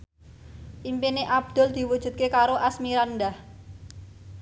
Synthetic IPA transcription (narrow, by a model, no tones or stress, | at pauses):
ʔimpineʔab̚d̪̥ʊ̤ld̪̥i̤wud̥ʒ̥ṳt̪̚kekaɾoʔasmiɾand̪ah